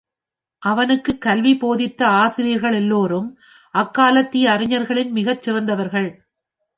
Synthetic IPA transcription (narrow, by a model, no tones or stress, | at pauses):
ʔɐʋɐnɯkːɯkːɐlʋipoːðɪt̪ːɐaːsɪɾɪjɐɾɣɐɭɛlːoːɾɯm | ʔɐkːaːlɐt̪ːɪjɐːɾɪɲːɐɾɣɐɭɪnmɪɣɐt͡ʃːɪrɐnd̪ɐʋɐɾɣɐɭ